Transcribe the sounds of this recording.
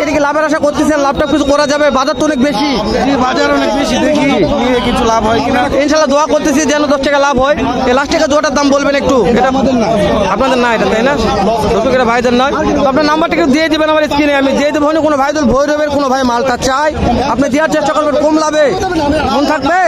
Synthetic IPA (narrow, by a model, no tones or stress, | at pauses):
eʈakilabeɾaʃakoɾt̪esʰilenlab̚ʈap̚kit͡ɕʰukɔɾad͡ʑabebad̪at̪ːoɔnek̚beʃi | ibaaɾɔnekbeid̪eɾkikiekit͡ɕʰulabʱɦɔjkinainʃalːad̪oakoɾt̪esʰid͡ʑɛnod̪ɔsʈakalabʱɦɔe | elaʃʈakad͡ʑoaʈaɾd̪ambolbenek̚ʈueʈa | apnad̪eɾnaeʈat̪ajnaot̪okeʈabʱajd̪eɾnɔjt̪oɔap̚naɾnambaɾʈakeʈ̪d̪ied̪ibenamaɾiskinejamid̪ied̪ibɦanikonobʱajd̪olbʱojɾobenkonobʱaemalt̪at͡ɕajapnid̪ijaɾt͡ɕeʃʈakoɾbenkomlabe | mont̪ʰak̚be